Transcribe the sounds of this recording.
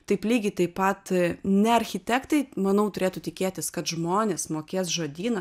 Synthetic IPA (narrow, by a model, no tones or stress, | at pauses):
t̪ɐɪplʲiːɡʲɪt̪ɐɪpɐt̪nʲɛɐɾʲxʲɪt̪ʲɛkt̪ɐɪmɐnɐʊt̪ʊɾʲeːt̪ut̪ʲɪkʲeːt̪ʲɪskɐt̪ʒmoːnʲeːsmoːkʲeːs̬ʒoːd̪ʲiːnɐ